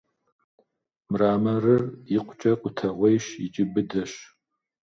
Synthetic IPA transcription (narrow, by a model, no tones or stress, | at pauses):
mraːmɐrɨrjɪqʷʼʊt͡ʃʼɐqʷʼʊtʰɐʁʷejʃɪt͡ʃʼɪbɨdɐɕ